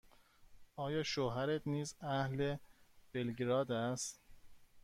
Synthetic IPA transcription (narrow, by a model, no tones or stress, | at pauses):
ʔɒːjɒːʃoːɦæɾet̪niːzæhleb̥elɡɾɒːd̪æst̪